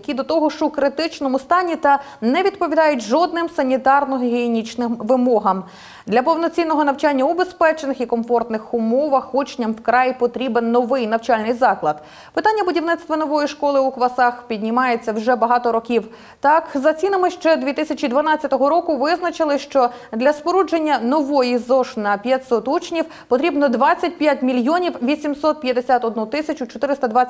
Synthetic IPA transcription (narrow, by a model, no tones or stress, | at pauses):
kʲid̪ɔt̪ɔɦɔʃt͡ʃʊkɾɪt̪ɪt͡ʃnɔmʊst̪ɑnʲit̪ɐ | nɛʋʲid̪pɔʋʲid̪ɑjʊtʲʒɔd̪nɪmsɐnʲit̪ɑrnɔɦɔɦʲinʲit͡ʃnɪmʋɪmɔɦɐm | d̪lʲɐpɔwnɔt͡sʲinːɔɦɔnɐwt͡ʃanʲːɐʊbespɛt͡ʃenɪxikɔmfɔrt̪nɪxʊmɔʋɐxɔt͡ʃnʲːɐmwkɾɑjipɔt̪ɾʲibenːɔʋɪjnɐwt͡ʃalʲnɪjzɑklˠɐd̪ | pɪt̪ɑnʲːɐbʊdʲiwnɪt̪st̪ʋɐnɔʋɔjiʃkɔlˠɪukʋɐsɑxpʲid̪ʲnʲimɑjet͡sʲːɐwʒɛbɐɦɑt̪ɔɾɔkʲiw | t̪ɑkzɐt͡sʲinɪmɪʃt͡ʃɛd̪ʋʲit̪ɪsʲɐt͡ʃid̪ʋɐnɑt͡sʲɐt̪ɔɦɔɾɔkʊʋɪznɐt͡ʃɪlˠɪʃt͡ʃɔd̪lʲɐspɔɾud͡ʒenʲːɐnɔʋɔjizɔʃnɐpʲjɐtʲsɔt̪ut͡ʃnʲiw | pɔt̪ɾʲibnɔd̪ʋɑt͡sʲːɐt̚ʲpjatʲmʲilʲjɔnʲiwʋʲisʲimsɔt̪̚pʲjɐd̪esʲat̪ɔd̪nut̪ɪsʲɐt͡ʃʊt͡ʃɔt̪ɪɾɪst̪ɐd̪ʋa